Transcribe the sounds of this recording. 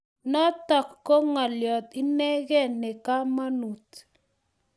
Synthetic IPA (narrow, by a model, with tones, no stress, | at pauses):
nɔ˦tɔ˨kːo˦ŋa˨ljɔ˨t̪i˦nɛ˦ɣɛ˦˨nɛ˨ka˦ma˦nu˨t